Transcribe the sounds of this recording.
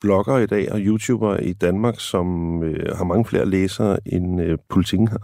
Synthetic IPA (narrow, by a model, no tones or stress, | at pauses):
b̥lɒ̽ɡ̥ɐːid̥ɛ̰ːɒjut͡sʰṵːb̥ɐid̥ænmɑ̈ːɡ̥sɒ̽møhɑ̈mɑ̈ŋəfle̝̰ːɐleːsɐːʔenøpʰolit͡sʰḭɡ̥n̩